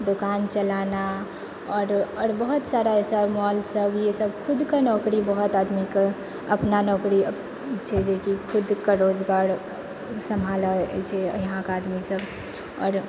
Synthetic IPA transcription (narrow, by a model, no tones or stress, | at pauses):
d̪okant͡ʃəlana | ɔːɾɔɾbəɦut̪saɾaesəmɔlsəbjesəbkʰud̪kenɔkɾibəɦut̪ad̪mike | əpnanɔkɾi | t͡ʃʰɛd͡ʒekikʰud̪kəɾod͡ʒɡaɾ | səmʱalət͡ʃʰɛjɦãkad̪misəb | ɔ̰ːɾ